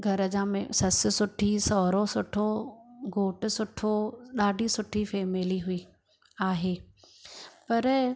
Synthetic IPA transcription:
ɡʱɐɾəd͡ʑãːmḛ̃sɐsɪ̆sʊʈʰisɔːɾosʊʈʰoɡoːʈʊsʊʈʰoɗaːɖʱisʊʈʰifɛːmeliɦʊiː | aːɦeː | pɐɾ

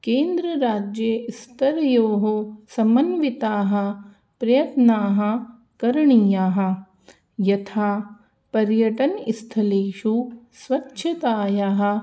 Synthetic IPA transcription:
keːnd̪ɾɐɾaːd͡ʒjɐist̪ʰɐɾjoːɦosɐmɐnʋit̪aːɦɐ̆ | pɾɐjɐt̪naːɦɐ̆ | kɐɾɳijaːɦɐ̆ | jɐt̪ʰaː | pɐɾjɐʈɐnist̪ʰɐleːʃusʋɐtːʃʰɐt̪aːjaːɦɐ̆

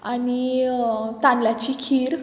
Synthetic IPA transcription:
ani | t̪ãnlat͡ɕiːkʰiːɾ

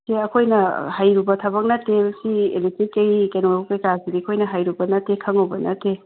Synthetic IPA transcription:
seɐkʰojnɐhajɾubɐtʰɐbɐk̚nɐtesiḛletɾikːejkenoukɐjkasiɾiɐkʰojnɐɦajɾubɐnɐtekʰɐŋowbɐnɐte

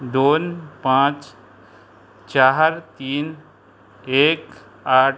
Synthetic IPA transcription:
d̪oːnpãːt͡ʃ | t͡ʃaːɦɾt̪iːn | eːk | aːʈ

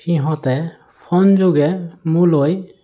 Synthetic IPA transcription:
xiɦɔ̃tɛ | pʰɔnzoɡɛmuloj

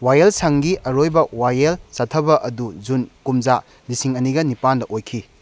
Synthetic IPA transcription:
wajelsaŋɡiʔɐɾojbɐwajelsatʰɐbɐʔɐduzunkumza | lisiŋɐniɡɐnipandɐʔojkʰi

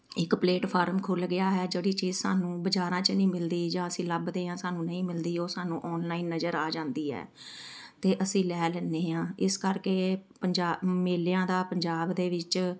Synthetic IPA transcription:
ɪkpleːʈpʰaːɾmkʰʊlɡɪjaːɦɛːd͡ʒeːɽiːt͡ʃiːzsa̰ːnũːbəd͡ʒaːɾãːt͡ʃnĩːmɪld̪iːd͡ʒãːəsĩːləbd̪eːɦãːsaːnũːnəĩːmɪld̪iːoːsaːnũːʔɔːnlaːiːnːəd͡ʒəɾaːd͡ʒãːnd̪iːɛ̰ː | t̪eːʔəsĩːlɛːlɛːneːãːɪskəɾkeːpəɲd͡ʒaːmeːljãːd̪aːpəɲd͡ʒaːbd̪eːʋɪt͡ʃ

